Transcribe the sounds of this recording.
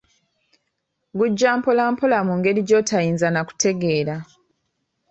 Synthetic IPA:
ɡuɟːaːmpolaːmpolamuŋɡe̞ɾiɟo̞ːtʰajiːnzanaku̥te̞ɡe̞ːɾa

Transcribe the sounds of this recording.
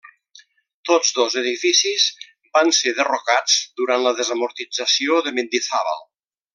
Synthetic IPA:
t̪ozðozəðifisiz | banseðərokad͡zd̪uɾant̪ləðəzəmuɾt̪id͡zəsioðəmend̪iθaβə̰lˠ

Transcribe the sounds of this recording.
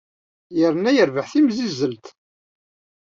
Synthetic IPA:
jəɾənːæjəɾvəħθimzizːəlt̪

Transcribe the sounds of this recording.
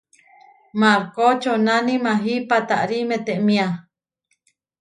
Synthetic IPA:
maɾkot͡ʃonanimaɦipat̪aʔɾimet̪eʔmĩa

